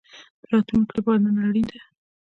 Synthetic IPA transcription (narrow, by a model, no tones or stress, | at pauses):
ɾɑt̪lunkɽebɑd̪nanaɽid̪a